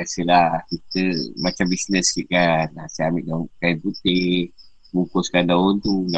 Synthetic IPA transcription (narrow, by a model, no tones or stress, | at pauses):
asəlakit̪əmat͡ʃambisnəskiʔkanasajamɪʔdakaiput̪i | muŋkoskadaunt̪una